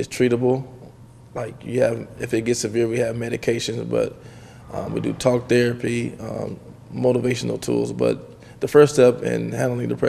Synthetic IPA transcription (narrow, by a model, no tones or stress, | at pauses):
ɨz̥stʰɹ̥iɾəbl̩ˠ | laɪkjɨɨvɨfɨt̚ɡ̥ɛtsɨvɪɹwiɨvmɛɾɨkʰeɪʃɨ̃nzbʌ̰t̚ | ʔʌ̰̃wḭdɨ̰tʰɔk̚θɛɹɨpiʌ̰̃ː | oʊɾəveɪʃɨn̩l̩ˠtʰṵlˠzbʌ̰t̪̚ | ðəfɜ˞stɛpɪ̰̃nhæ̃ndl̩ˠɪ̃ŋðɨpʰɹ̥ɛ